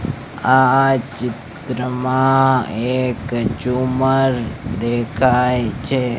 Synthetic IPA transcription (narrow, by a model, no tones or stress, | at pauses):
at͡ʃɪt̪ɾəmãekt͡ʃuməɾd̪ekʰajt͡ʃʰe